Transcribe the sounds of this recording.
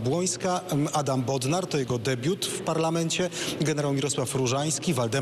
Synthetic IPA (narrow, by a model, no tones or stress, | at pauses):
bwɔj̃skaad̪ambɔd̪naɾt̪ɔjɛɡɔd̪ɛbʲjut̪fpaɾlamɛnt͡ɕɛɡɛnɛɾawmʲiɾɔswafɾuʐaj̃skʲivald̪ɛ